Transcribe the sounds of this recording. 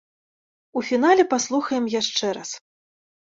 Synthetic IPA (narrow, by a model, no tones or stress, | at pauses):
ufʲin̪alʲɛpaslˠuxɐjɛmjaʂt͡ʂɛɾas